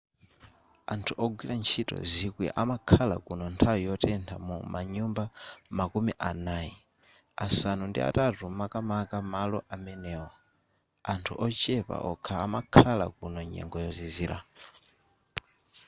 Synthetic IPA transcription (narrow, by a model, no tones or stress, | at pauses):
antʰuʔɔɡwiɾant͡ʃʰitɔ̰zikwiʔamakʰalakunɔntʰawijɔtɛntʰa̰mumaɲumbamakumiʔanaːji | asanundḭa̰tatumakamakamalɔʔamɛnɛːwɔ | antʰṵʔɔt͡ʃɛpa̰ʔɔkʰaːmakʰala̰kunɔɲɛ̰ŋɡɔjɔziziːɾʔa̰